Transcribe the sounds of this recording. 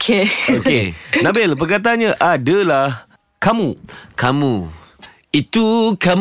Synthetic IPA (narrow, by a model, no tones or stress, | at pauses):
kʰeokenãbɪlpərkat̪̬aɲãʔadəalah | kamũkʰamũ | it̪ukam